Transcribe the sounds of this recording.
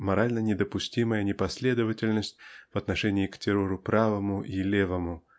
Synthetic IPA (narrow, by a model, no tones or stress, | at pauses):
mɐɾalʲnənʲɪd̪əpʊsʲtʲiməjənʲɪpɐsʲlʲe̞d̪əvətʲɪlʲnəsʲtʲv̥ɐt̪nɐʂɛnʲɪːktʲɪɾoɾʊpɾavəmʊʔilʲevəmʊ